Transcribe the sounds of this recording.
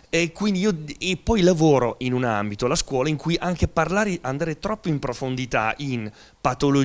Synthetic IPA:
ɛkwind̪iiːoepːɔjlavoːɾoʔinuna̰mbit̪olaskwɔːlaiŋkujʔaŋk̟eparlaːɾeʔand̪aːɾet̪ɾɔpːoimpɾofond̪it̪a̰ʔin | pat̪olo

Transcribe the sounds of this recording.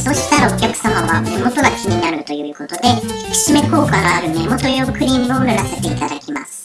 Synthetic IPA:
so̞ːɕi̥t̪aɾao̞kʲakɯ̟̥samaβame̞mo̞t̪o̞ɡakʲiɲ̟inaɾɯ̟t̪o̞jɯ̟ɯko̞t̪o̞d̪e̞i̥kʲi̥ɕime̞ko̞ːkanoaɾɯ̟me̞mo̞t̪o̞joːkɯ̟ɾʲĩmɯ̟onɯɾase̞t̪e̞it̪ad̪akʲima̰sɨ̥

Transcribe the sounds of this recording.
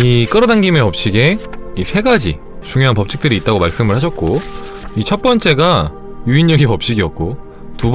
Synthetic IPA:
ik͈ɯɾʌdaŋɡime̞ʌp̚ɕ͈iɡe̞isʰe̞ɡad͡ʑḭ | t͡ɕuŋjoɦanpʌp̚t͡ɕ͈ʰi̥k̚t͈ɯɾiːt͈̚aɡomaɭs͈ɯmɯɭhaɕʰʌt̚k͈o | it͡ɕʰʌt̚p͈ʌnt͡ɕ͈e̞ɡa | juinɲʌɡipʌp̚ɕ͈iɡiʌk̚k͈o | tub

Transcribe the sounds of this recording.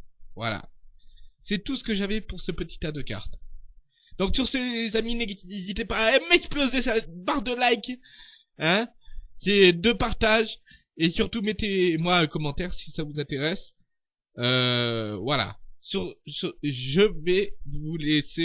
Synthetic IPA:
vwa̰la̰ | sɛt̪usə̥kəʒavɛpuʁsəpət̪i̥t̪ad̪əkʲa̰ʁt̪ | d̪ɔ̃ksyʁsezamineiezit̪ɛpaɛmɛksplozɛsabaʁd̪əlajk | ɛ̃ | sɛd̪øpaʁt̪aʒ | esyʁt̪umet̪emwaøkɔmɑ̃t̪ɛʁsi̥savuzɛ̃t̪eʁɛs | øvwala̰syʁsyʒəvɛvulese

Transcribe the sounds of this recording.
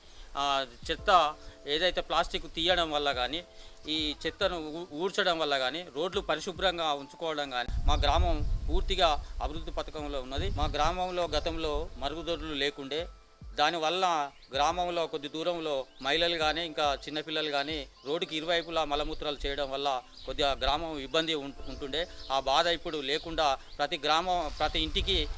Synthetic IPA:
t͡ʃit̪ːɐeːd̪ɐjt̪e̞ːplaːsʈikːut̪iːjɐɽɐmʋɐlːɐɡaːniːiːt͡ʃit̪ːɐnuuːɾt͡ʃɐɽɐmʋɐlːɐɡaːniːɾo̞ːɖlupɐɾiʃubɾɐŋɡaːuɲt͡ʃu̥kɔːʋɐɽɐmɡaːnimaːɡɾaːmɐmpuːɾt̪iɡaːɐbiɾud̪ːipɐt̪ɐkɐmlo̞ːunːɐd̪imaːɡɾaːmɐmlo̞ːɡɐt̪ɐmlo̞ːmɐɾɡud̪oɾulule̞ːkuɳɖe̞ː | d̪aːniʋɐlːɐ | ɡɾaːmɐmlo̞ːkod̪ːid̪uːɾɐmlo̞ːmɐɦjilɐluɡaːneːiŋkaːt͡ʃinːɐpilːɐluɡaːneː | ɾo̞ːɖːukiiɾuʋɐjɐjp̬ulaːmɐlɐmut̪ɾaːlut͡ʃɛːjɐɽɐmʋɐlːɐ | kod̪ːiɡɾaːmɐmibːɐnd̪ʱiuɳʈuɳɖe̞ːaːbaːd̪ɐjipːuɽule̞ːkuɳɖaːpɾɐt̪iɡɾaːmɐmpɾɐt̪iːɳʈiki

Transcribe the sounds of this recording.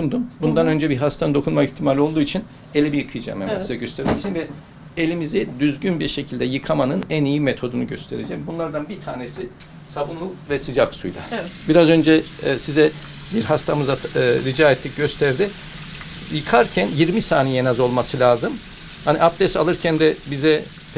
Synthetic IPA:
und̪umbund̪anø̞nd͡ʒɛbiɦast̪ʰanɯd̪o̞kʰunmakiçt̪ʰimalʲio̞lˠd̪uːit͡ʃʰin | e̞lʲibijɯkʰɯjɯd͡ʒa̰mɛ̰msjaɟø̞st̪ʰeɾmɛct͡ʃʰinvɛ | elʲimizid̪yzɟynbiɾʃe̞cʰilʲd̪ɛjɯkʰamanɯnænijimet̪ʰo̞d̪unuɟø̞st̪ʰe̞ɾed͡ʒɛmbunlˠaɾd̪anbit̪ʰaːnesi | sabunlˠuvɛsid͡ʒaksujlˠa̰biɾazø̞nd͡ʒɛsizɛ | biɾɦast̪ʰamɯzaɾid͡ʒaːet̪lʲic̚ɟø̞st̪ʰæɾd̪ɪ | jɯkʰaɾcʰænjiɾmisaːnijenazo̞lˠmasɯlʲaːzɯm | hanḭʔap̚d̪ɛsa̰lˠɯɾcʰænd̪ɛbizɛ

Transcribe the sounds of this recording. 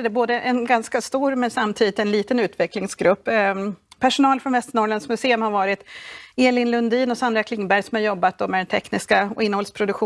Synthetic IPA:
d̪ɛboːd̪əʔɛnɡanskast̪uːɾmɛnsamt̪ʰiːd̪ɪt̪ɛnliːt̪ənʉ̟ːt̪vɛklɪŋsɡɾɵpːpʰæʂʊnɑːlfɾɔnvɛst̪əɳɔɾɭɛnskmɵseːɵmhaɾvɑːɾɪt̪eːlɪnlɵnd̪iːnɔsand̪ɾakʰlɪŋːbæɾjsɔmhaɾjɔbːat̪̚d̪ɔmɛd̪ɛnt̪ʰɛknɪskaɪnːəɔlspʰɾʊd̪ɵkɧuː

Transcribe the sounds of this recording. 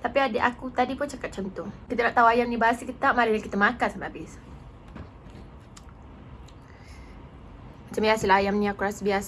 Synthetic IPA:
t̪apiadiʔakut̪adipʊnt͡ʃakat̪̚t͡ʃɔnt̪ɔkit̪ənaʔt̪auajamnibaasikət̪apmaɾədakit̪əmakansamaabɪs | mat͡ʃambiasəlaajamnĩakuɾasəbias

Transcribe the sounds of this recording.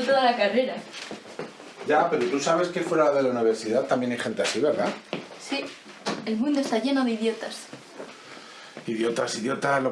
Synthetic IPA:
t̪oðalakareɾa | ɟ͡ʝape̞ɾot̪usaβe̞skefwe̞ɾalðe̞launiβ̞e̞ɾsiðat̪ambje̞najxe̞nt̪easiβe̞ɾðasi | elmũnd̪oet̪aʝe̞noðeiðjo̞t̪as | iðjo̞t̪asiðjo̞t̪alo

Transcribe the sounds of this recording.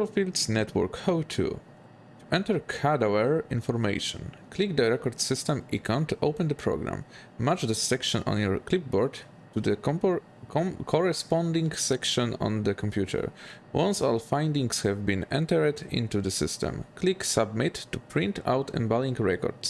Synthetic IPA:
lfild̪snɛt̪ʰwɔ̰ɹkhoʊt̪ʰṵ | t̪uʔɛ̃nt̪ɛɹkʰadawɛɹĩnfɔɹmḛʃɔ̰̃nklikd̪əɹɛkɔɾd̪sɪst̪ɛ̃mikʰãnt̪ʔowpɛ̃nd̪əpʰɹɔ̰ɡɾã̰mː | at͡ʃd̪əsɛkʃɔ̃nɔ̰̃njɔɹklip̚bɔɹd | tud̪ə | kʰɔɹɛspɔ̃ndĩŋɡsɛkʃɔ̃nɔ̰̃nd̪əkʰɔ̃mpjutʰɛ̰ɹ | wɔ̃nsɔlfãj̃nd̪ĩŋshɛvbĩnɛ̰̃nt̪ɛɹt̪ḭ̃nt̪ud̪əsɪ̰stɛ̰̃mkliksab̚mɪt̪ːupʰɾĩnt̪ʰa̰wt̪ɛ̰̃nbalĩŋɡɹɛkɔ̰ɹd̥s

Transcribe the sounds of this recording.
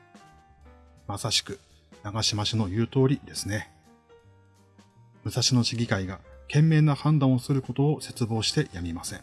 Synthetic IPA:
masaɕi̥kɯ̟̥ | naɡaɕimaɕino̞jɯ̟ːt̪o̞ːɾʲid̪e̞sɨne | mɯ̟saɕino̞ɕiɡʲikaiɡakẽ̞mːe̞ːnahãnd̪ãɰ̃osɨɾɯ̟ko̞t̪o̞ːse̞t͡sɨbo̞ːɕi̥t̪e̞jamʲimasẽ̞̰ŋ

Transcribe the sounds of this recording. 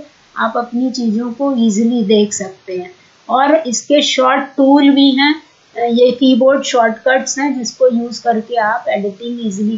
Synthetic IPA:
a̰ːpɐpnit͡ʃiːzõkoiːzlid̪eːkʰsɐk̚t̪eɦɛ̃ː | ɔːɾɪskeʃɔːɾʈːuːlbʱiɦɛ̃ː | jekiːboːɾɖʃɔːɾʈkəɾʈsɦɛ̃d͡ʒɪskojuːzkɐɾkeaːpɛːɖɪʈɪ̃ŋɡiːzli

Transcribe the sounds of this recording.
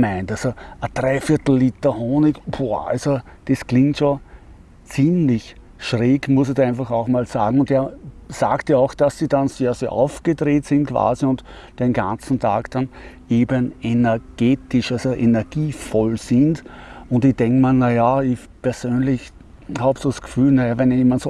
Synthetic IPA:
mæɪntalzoəd̥ʁaɪfiɐtl̩liːtɐhoːnɪkboa̰lzod̥esklɪ̃ŋktʃo | t͡siːmlɪç | ʃʁeːɡmʊsɪdæɪnfaχɑʊxmaːlsa̰ːɡŋ̩ʊnteːɐsaːktjaɑʊxd̥asːidanseːɐseːɐʔa̰ʊfɡ̥ədʁeːtsɪntkv̥a̰ːziʊnt | d̥enɡãnt͡sn̩tʰa̰ːkd̥anʔeːbənenɛɐɡ̥eːtɪʃalzoʔenɛɐɡ̥iːfɔlsɪndʊntɪd̥ɛŋkmalnajaɪç | pɛɐzøːnlɪç | haːbsoːsɡ̥ə̥fyːlnajavɛneːmantso

